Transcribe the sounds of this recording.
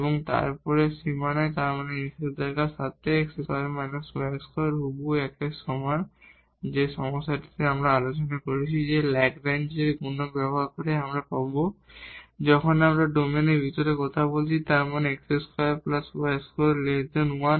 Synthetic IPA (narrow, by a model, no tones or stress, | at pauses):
ebɔŋt̪a̰ɾpɔɾesimanat̪aɾmaneniseɾd̪ajkasat̪eeksesɔemanuswɛskoɾɦobuɛkesɔmaɾ | d͡ʑeʃɔmɔsːaʈi̥t̪eamɾaalot͡ɕɔnakoɾit͡ɕʰid͡ʑelɛkɾajnd͡ʑeɾɡunɔbɛbɔɦaɾkɔɾeamɾapabo | d͡ʑɔkʰɔnamɾaɖomenebʱit̪ɔɾekɔt̪ʰabolt͡ɕʰit̪aɾmaneɛkseskɔaplaswɛskolet̪enuwan